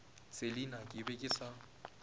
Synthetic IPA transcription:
t͡sʼelinakʼɪbɛkʼɪsa

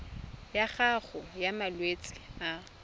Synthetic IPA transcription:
jaχaχʊjamalwet͡sʼɪ̥a

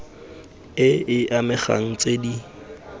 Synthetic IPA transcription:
ɪɪʔamɪχa̰ŋ̩t͡sʼedi

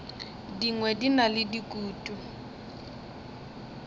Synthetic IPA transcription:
diŋwɛdinalɪdikʼuːtʼu

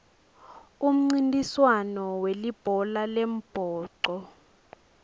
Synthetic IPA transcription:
um̩ŋ͡ǀintʼiswanɔwelib̥ʱɔlalɛm̩b̥ʱɔːǀɔ

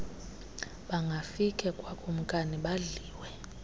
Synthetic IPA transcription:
ɓaŋɡʱafikʼɛkʼwakʰʼom̩kʼaniɓaɮiːwɛ

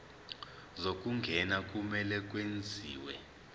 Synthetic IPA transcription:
zok̬ʼuŋɡʱɛnak̬ʼumɛlɛk̬ʼwend͡zʱiːwɛ̰

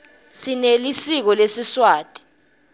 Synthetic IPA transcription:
sinelisik̬ɔlesiswaːtʼi̥

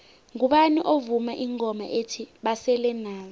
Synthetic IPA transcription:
ŋuɓaniʔovumaʔiŋɔma̰ʔetʰiɓasɛlɛnaːɔ

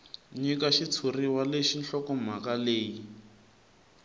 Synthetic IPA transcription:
ɲikaʃit͡sʰuriwaleʃinɬɔkɔm̤akaleːji

